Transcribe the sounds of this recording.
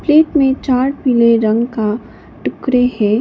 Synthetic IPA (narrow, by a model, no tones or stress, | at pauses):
pleːʈmẽt͡ʃaːɾpiːleɾɐ̃ŋɡka | ʈʊkɾehɛː